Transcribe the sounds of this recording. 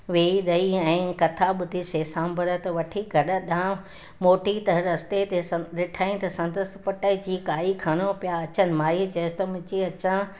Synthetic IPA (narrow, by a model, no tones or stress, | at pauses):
ʋeːiɗ̪ɐiɛ̃ːkɐt̪ʰaɓʊd̪ʱiseːsãːmbʱəɾət̪ɐʋɐʈʰiɡʱɐɗə̆ɗã | moːʈit̪ɐɾɐst̪et̪esɐɪʈʰaːĩt̪ɐsɐ̃nd̪əst̪pɐʈəd͡ʑiːkaːikʰaːɽ̃opijaɐt͡ɕənɪ̆maːit͡ɕɐst̪ɐmʊ̃t͡ɕiɐt͡ɕã